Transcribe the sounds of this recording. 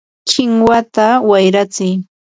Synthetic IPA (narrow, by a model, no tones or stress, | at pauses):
t͡ʃɪŋwat̪awajɾat͡sɪj